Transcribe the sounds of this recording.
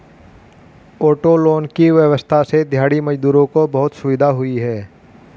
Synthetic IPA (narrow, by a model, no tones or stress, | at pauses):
oːʈoloːnkiʋjəʋəst̪ʰased̪ʱjaːɽimɐd͡ʒd̪uːɾõkobɐɦʊt̪sʊʋɪd̪ʱaɦʊiɦɛː